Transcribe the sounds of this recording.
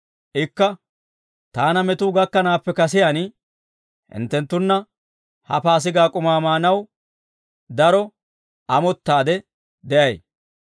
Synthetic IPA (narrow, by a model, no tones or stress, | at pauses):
ʔɪkːɐ | t̪aːnɐmɛt̪uːɡɐkːɐnaːpːɛkɐs̬ɪjan | hɪ̰nt̪ːɛnt̪ːʊnːɐ | hɐ̰paːs̬ɪɡaːkʼʊmaːmaːnɐw | d̪ɐɾɔ | ʔɐmɔt̪ːaːd̪ɛ | d̪ɛʔɐj